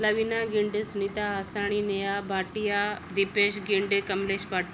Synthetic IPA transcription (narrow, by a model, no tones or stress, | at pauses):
lɐʋiːnaɡɪɳɖsʊnit̪aɦasaːɽ̃inejabʱaːʈijad̪ipeːʃɡɪɳɖkɐmleːʃbaːʈ